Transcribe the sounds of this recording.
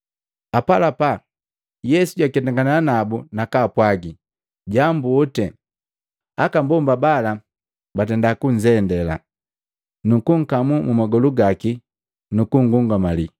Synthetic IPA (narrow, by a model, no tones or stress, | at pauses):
apalapa | jɛsuɟwakɛtaŋɡananabunakapwaɡi | ɟambuɔtɛ | akambɔmbabala | bat̬ɛndakuɲd͡ʒɛndɛla̰ | nukuŋ̩kamumumaɡɔluɡaki | nukuŋ̩ɡuŋɡamali